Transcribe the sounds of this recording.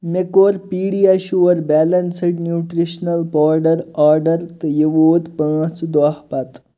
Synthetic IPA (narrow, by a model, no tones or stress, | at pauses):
mekoːɾpiːɽiaɕuʋəɾbɛlɐnsiʈnjuʈɾiɕnɐlpɔːɾɖəɾaːɾɖəɾt̪əjeʋoːt̪pãːt͡sd̪ʋaɦpat̪